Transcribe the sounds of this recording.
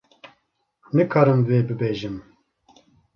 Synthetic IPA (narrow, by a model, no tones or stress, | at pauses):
nɨkʰɑːɾɨmveːbɨbeːʒɨm